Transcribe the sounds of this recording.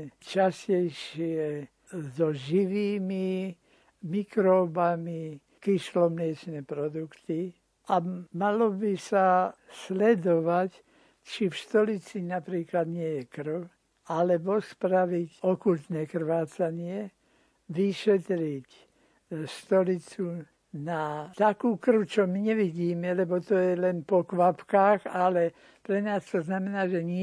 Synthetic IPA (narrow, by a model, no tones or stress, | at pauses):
t͡ʃascɛjʃɪɛ | zɔʒiʋiːmi | mikɾɔːbami | kiʃlɔmlɪɛt͡ʃnɛpɾɔd̪ukt̪i | amalɔbisaslɛd̪ɔʋac | t͡ʃifʃt̪ɔlit͡sinapɾiːklad̪ɲɪɛjɛkrw | alɛbɔspɾaʋicɔkult̪nɛːkr̩ʋaːt͡saɲɪɛ | ʋiʃɛt̪ɾic | ʃt̪ɔlit͡su | nat̪akuːkr̩wt͡ʃɔmiɲɛʋiɟiːmɛlɛbɔt̪ɔjɛlɛnpɔkʋapkaːxalɛ | pɾɛnaːst̪ɔznamɛnaːʒɛɲɪ